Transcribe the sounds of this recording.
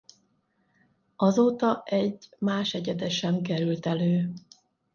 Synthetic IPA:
ɒzoːt̪ɒʔɛɟmaːʃɛɟɛd̪ɛʃɛmkɛɾylt̪ɛløː

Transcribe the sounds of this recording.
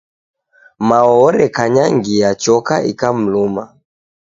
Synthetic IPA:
maɔɾɛkaɲaŋɡiat͡ʃɔkaʔḭkam̩luma̰

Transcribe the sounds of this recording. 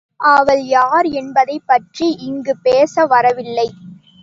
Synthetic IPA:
ʔaːʋɐljaːɾɛnbɐðɐɪpːɐʈriʔɪŋɡɯpeːsɐʋɐɾɐʋɪlːɐɪ

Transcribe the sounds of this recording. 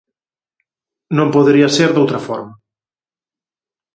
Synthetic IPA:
nõmpoðeɾiɐseɾðowt̪ɾɐfɔɾmɐ

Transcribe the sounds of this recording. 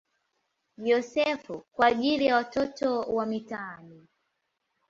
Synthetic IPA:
ʄɔsɛfukwaːʄilijawatɔtɔwamitani

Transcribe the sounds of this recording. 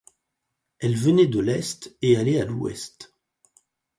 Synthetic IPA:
ɛlvəned̪əlɛst̪ealealuɛ̰st̪

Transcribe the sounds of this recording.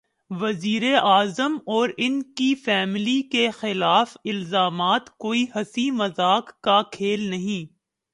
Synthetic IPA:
ʋɐziːɾeʔaːzəmɔːɾɪnkifɛːmlikexɪlaːfɪlzaːmaːt̪koːiɦɐsimɐzaːkːakʰeːlnɐɦĩː

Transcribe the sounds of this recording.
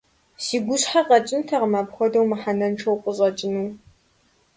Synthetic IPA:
siːɡʷʊɕħaqʼɐt͡ʃʼɪntʰɐʁəmaːbxʷɔdɐwmɨħanɐnʈ͡ʂʰɐwqʷʼəɕʼɐt͡ʃʼɪnuː

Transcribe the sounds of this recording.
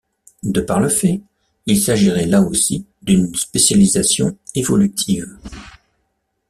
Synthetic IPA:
d̪əpaʁləfɛ | ilsaʒiʁɛlaosi | d̪ynspesjalizasjɔ̃evɔlyt̪ʰiv

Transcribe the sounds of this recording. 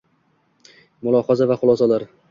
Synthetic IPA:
mʊlˠɒhɒzavaχʊlˠɒsalaɾ

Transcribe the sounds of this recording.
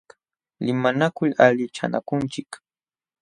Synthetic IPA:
lɪmanakʊʎaʎɪt͡ʃa̰na̰kʊnt͡ʃɪk

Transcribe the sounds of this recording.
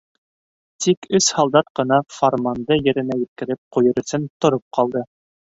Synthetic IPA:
t̪ʰikɵshɑlˠd̪ɑt̪̚qɤ̆nɑformand̪ɤjɘ̆ɾɘ̆næjɘ̆t̪̚kɘ̆ɾɘp̚qujɤ̆ɾɵ̆sɘnt̪ŏɾop̚qʰɑlˠd̪ɤ

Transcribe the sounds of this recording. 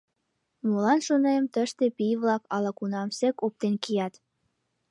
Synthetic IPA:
molɑnʃonemt̪əʃt̪epijβlɑkɑlɑkunɑmsekop̚t̪enkijɑt̪

